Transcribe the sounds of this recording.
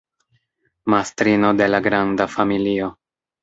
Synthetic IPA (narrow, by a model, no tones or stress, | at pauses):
mastɾino̞de̞laɡɾandafamilio̞